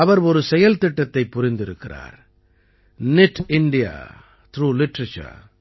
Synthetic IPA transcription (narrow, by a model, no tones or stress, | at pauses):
ɐʋɐɾɔɾɯsɛjɐlt̪ɪʈːɐt̪ːɐɪpːʊrɪnd̪ɪɾɯkːɪra̰ːɾ | nɪʈɪɳɖɪja̰ | t̪ɾuːlɪʈɾɐt͡ʃɐ̰